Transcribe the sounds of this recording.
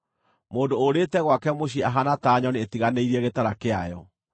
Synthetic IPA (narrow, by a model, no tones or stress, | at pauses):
moːndoːɾetɛɣwakɛmoɕ̬iaɦanataːɲɔnietiɣaneiɾiɛɣetaɾakeajɔ